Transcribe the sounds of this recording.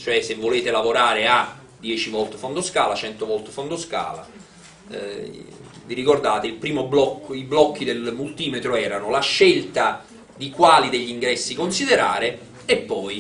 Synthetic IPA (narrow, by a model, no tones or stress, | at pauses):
t͡ʃoɛsevːoleːt̪elavoɾaːɾea | d̪jɛːt͡ʃivɔlt̪efond̪oskaːlat͡ʃɛnt̪ovɔlt̪efond̪oska̰ːla̰ | viɾikord̪aːt̪eilpɾiːmoblɔkːoiblɔkːid̪elmult̪iːmet̪ɾoɛːɾanolaʃːelt̪a | d̪ikwaːlid̪eʎːiŋɡɾɛsːikonsid̪eɾa̰ːɾe | epːɔj